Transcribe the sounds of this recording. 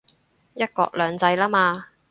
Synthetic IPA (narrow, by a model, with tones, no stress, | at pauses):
jɐ˥t̚kɔ̰ː˧k̚lœː˨˧ŋt͡sɐ˧jlaː˥maː˧